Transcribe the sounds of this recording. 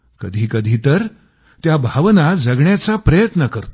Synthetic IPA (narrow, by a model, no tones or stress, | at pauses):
kəd̪ʱiːkəd̪ʱiːt̪əɾ | t̪jabʱaʋnad͡zəɡɳjat͡sapɾəjət̪nəkəɾt̪o̥